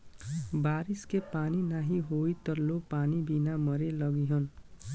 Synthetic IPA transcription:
baɾiskepaninaɦiɦoit̪ʌɾlopanibinamʌɾelʌɡiɦʌn

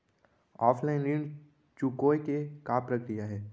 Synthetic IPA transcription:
ɔːfʰlaɪnlin | t͡ʃukoːjkekaːpɾəkɾijaɦɛː

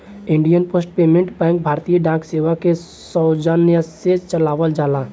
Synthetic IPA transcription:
ɪ̃ɳɖijənpoːsʈ̚peːmẽɳʈbɛ̃ːŋk̚bʱaːɾt̪ijəɖãːkseːʋake | sɔwd͡ʒənjəset͡ʃəlaːʋəld͡ʒaːlaː

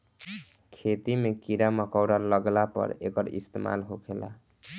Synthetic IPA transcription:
kʰet̪imekiɾamʌkɔwɾalʌɡlapʌ̰ɾekʌɾḭst̪ema̰lɦokʰela̰

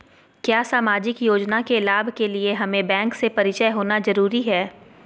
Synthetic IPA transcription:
kjaːsaːmaːd͡ʒɪkjoːd͡ʒnakelaːbʱkelieɦɐmẽbɛ̃ːŋksepɐɾɪt͡ʃəjɦoːnazɐɾuːɾiɦɛː

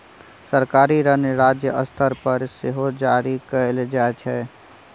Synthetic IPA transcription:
səɾkaːɾiɾəneɾaːd͡ʒjəʔəst̪ʰəɾpəɾseɦod͡ʒaːɾikəeld͡ʒaet͡ʃʰɛː

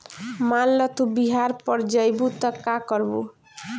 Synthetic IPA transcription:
malːɔt̪ʰubiɦaɾpɔɾd͡ʒajbut̪ɔkakɔɾbṵ

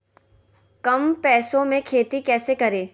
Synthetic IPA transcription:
kɐmpɛːsõmẽkʰeːt̪ikɛːsekɐɾeː

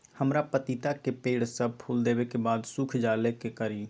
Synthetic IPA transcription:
həmɾapət̪it̪akepeːɽsəb̚pʰuld̪eːbekebaːd̪sukʰd͡ʒaːlekekəɾi

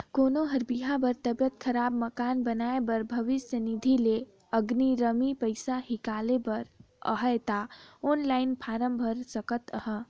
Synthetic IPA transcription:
konoɦəɾbiɦãbəɾt̪əbjət̪̚kʰəɾabməkanbənaebəɾbʱəʋisənid̪ʱile | əɡniɾəmipəjsaɦikalebəɾ | ə̰ɦəjt̪aonlaɪnpʰaɾəmbʱəɾsəkət̪əhə

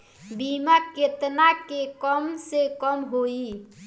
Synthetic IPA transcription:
bimaket̪nakekəmsekəmɦoi

